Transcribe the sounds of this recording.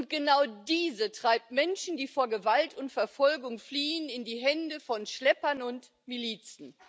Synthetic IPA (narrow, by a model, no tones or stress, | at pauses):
ʊnt̚ɡ̥ənaʊdiːzətʁ̥aɪp̚tmɛnʃn̩diːfoːɐɡəvaltʰʊntfɛɐfɔlɡʊŋfliːənɪndiːɦɛndəfɔnʃlɛpɐnʊnt | miliːt͡sn̩